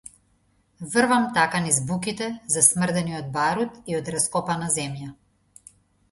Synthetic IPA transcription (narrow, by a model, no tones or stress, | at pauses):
vrvamt̪akanizbukit̪ɛzasmrd̪ɛniɔd̪̚baɾut̪iɔd̪ɾaskɔpanazɛmja